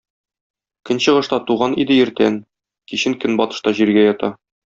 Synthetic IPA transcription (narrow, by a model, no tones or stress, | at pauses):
kɘ̆nɕɤ̆ʁɤ̆ʃt̪ɑt̪uʁɑnid̪ɘjɘ̆ɾt̪æn | kiɕɘŋkɘnbɒt̪ɤ̥̆ʃt̪ɑʑiɾɡæjɒt̪ɑ